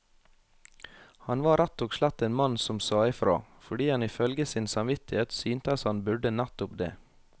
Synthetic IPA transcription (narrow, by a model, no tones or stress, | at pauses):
hɑnʋɑːɾæt̪ːoːɡʃlæt̪ːeːnmɑnsɔmsɑːɪfɾo̰ːfɔɖiːhɑnɪfœlɡəsɪnsɑmʋɪt̪ɪheːt̪syːnt̪əɑshɑnbʉɖənæt̪ʊpd̪ḛː